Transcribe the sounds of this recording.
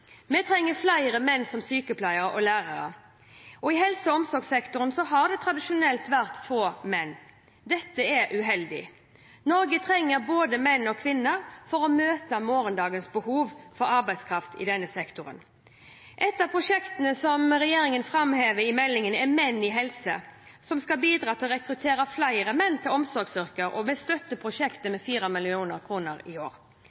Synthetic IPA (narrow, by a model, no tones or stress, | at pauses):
mɛt̪ʰɾɛŋːəflæɪʁəmɛnːsɔmsyːkəpʰlæɪəɾəʔɔlæːʁɑɾə̰ | ɔɪɦɛlsəɔmsɔɾɡsɛkt̪ʊɾnsɔɦɑʁd̪ɛt̪ʰʁɑd̪ɪʃʊnɛlt̪ʋæʁt̪foːmɛnː | d̪ɛt̪ːəɛɾʉɦɛld̪ɪ̰ | nɔɾɡət̪ʰɾɛŋːəɾboːd̪əmɛnːɔkʰʋɪnːəɾfɔʁɔmøːt̪əmoːɾənd̪ɑːɡənsbəhuːʋfɔɾɑɾbæɪskʰɾɑft̪ɪ̰d̪ɛnːəsɛkt̪ʊɾə̰n | ʔɛt̪ːɑpʰɾʊʂɛkt̪ənəsɔmʁɛjeːɾɪŋənfɾɑmheːʋəɾɪmɛlːɪŋənɛmɛnːɪɦɛlsə | sɔmskɑbiːd̪ɾɑːt̪ʰɪlɔɾɛkɾʉt̪ʰeːɾəflæɪɾəmɛnːt̪ʰɪlɔmsɔɾɡsʏʁkəɾʔɔ̰mɛst̪œt̪ːəpʰɾʊʃɛkt̪əmɛfiːɾəmɪlɪuːnəɾkʰʁuːnəɾɪoːɾ